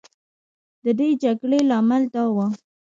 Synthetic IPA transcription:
d̪əd̪ed͡ʒaɡɽelɑmɪlt̪ɑwa

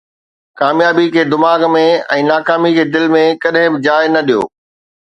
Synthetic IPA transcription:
kaːmjaːbikʰeːd̪ɪmaːɡmẽɛ̃ːnaːkaːmikʰeːd̪ɪlmẽkɐɗɦɪ̃bɪd͡ʑaːɪnɐɗijo̰ː

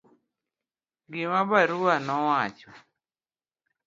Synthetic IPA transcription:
ɡɪmabaɾuwanɔwat͡ʃɔ

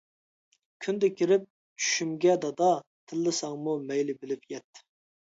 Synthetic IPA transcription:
kʲʰynd̪ɛkʲʰiɾɪp̚ | t͡ʃʰy̥ʃymɡʲɛd̪ɑd̪ɑt̪ʰɪlːɨsɑŋmumɛjlɪbɪlɪpjɛt̪ː

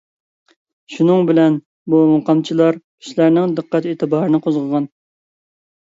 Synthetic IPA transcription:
ʃunɨŋbɪlɛn | bumuqɑmt͡ʃʰilˠɑɾpʰi̥ʃlæɾnɪŋd̪əqːæt̪eːt̪ʰɨbɑɾɨnɨqʰozʁəʁɑn

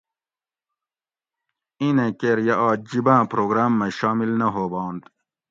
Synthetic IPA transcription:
inẽkeɾjɐʔɑːd͡ʑibãːpɾoːɡɾaːmːeɕɑːmilnɐɦoːbɑːnt̪

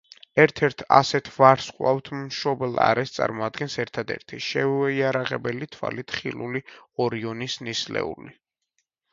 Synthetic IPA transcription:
ɛɾt̪ʰɛɾt̪ʰa̰sɛt̪ʰvaɾsqʼwaft̪ʰmʃɔbɛlˠa̰ɾɛst̪sʼa̰ɾmɔad̪ɡɛnsɛɾt̪ʰad̪ɛ̰ɾt̪ʰiʃɛɛiaɾaʁɛ̰bɛlit̪ʰwa̰lit̪ʰχilˠuliɔɾiɔnisnislɛ̰uli

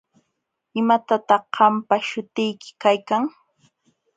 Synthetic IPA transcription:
ɪmat̪at̪ɑχɢɑmpaʃʊt̪ɪjkɪ̥kajkaŋ

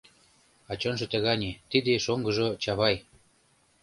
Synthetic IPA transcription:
ɑt͡ɕonʒɤ̆t̪ə̆ɣɑnʲet̪id̪eʃoŋɡɤ̆ʒɤ̆t͡ɕɑβɑj

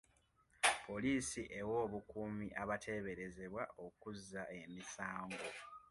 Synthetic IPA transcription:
pʰo̞liːsiʔe̞wo̞ːβukuːmiʔaβatʰe̞βe̞ɾe̞ze̞βwao̞kuzːaʔe̞misaːŋɡo̞

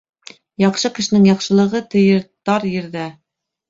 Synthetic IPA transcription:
jɑqʃɤkɘ̆ʃɘ̆nɘŋjɑqʃɤ̆lˠɤ̆ʁɤt̪ɘ̆jɤ̆ɾt̪ɑɾjɘ̆ɾðæ

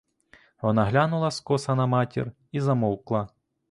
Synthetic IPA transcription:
ʋɔnaɦlʲanulˠɐskɔsɐnɐmɑtʲḭr | izɐmɔwklˠɐ

